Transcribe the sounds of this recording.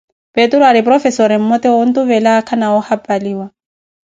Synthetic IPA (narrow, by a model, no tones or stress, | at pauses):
petuɾɔaɾɪpʼrɔfɛsɔɾɪm̩mɔtɛʊn̩tʊβɛlaːkʰanaʊhapʼaliːwa